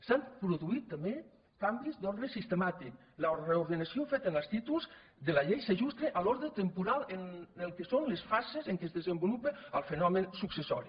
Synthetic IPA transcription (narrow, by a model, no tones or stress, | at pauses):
sampɾuðuit̪ːambe | kambizd̪ɔɾðɾesist̪emat̪ik | lauɾðɾeuɾðenasiofet̪ənəst̪it̪ulˠz | d̪elaʎejseʒust̪ɾeʔalɔɾðɾet̪empuɾalˠenelˠkesonlesfasezeŋkezðezəmbulupeəlˠfenɔmensuksesɔ̰ɾi